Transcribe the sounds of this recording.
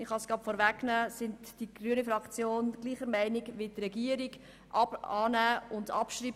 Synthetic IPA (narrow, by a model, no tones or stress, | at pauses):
ɪχhɑsɡ̥ɑtfɔɾvæknæːsɪntd̥iɡ̥ryənəfɾɑkt͡sjoːnɡ̥liːχəɾmæɪnɪɡʋɪtɾɛɡiəɾiɡ | ʔɑɑːnæːʊndɑ̰pʃriːb